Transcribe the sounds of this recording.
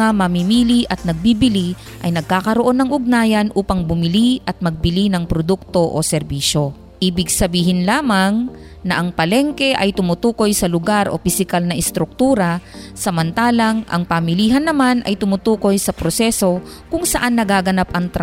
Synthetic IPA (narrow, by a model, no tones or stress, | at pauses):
amɐmimiːliʔɐt̪̚nɐɡ̚bibɪli | ʔɐ̰jnɐɡ̚kaːkɐɾoʔo̞nːɐŋʔʊɡ̚naːjɐnʔuːpɐŋbʊmɪliʔɐt̪̚mɐɡ̚bɪlinɐŋpɾod̪uk̚t̪o̞ʔo̰sɛɾbiːʃo̞ | ʔibɪɡ̚sɐbiːhɪnlaːmɐŋ | nɐʔɐŋpɐlɛŋkɛʔɐjt̪ʊmʊt̪uːko̞jsɐlʊɡaɾʔo̞̰pɪsɪkalnɐʔɪst̪ɾʊk̚t̪uːɾɐsɐmɐnt̪aːlɐŋʔɐ̰ŋpɐmɪliːɦɐnːɐmanʔɐ̰jt̪ʊmʊt̪uːko̞jsɐpɾosɛso̞ | kʊŋsɐʔanːɐɡaːɡɐnap̚ʔɐŋt̪ɾa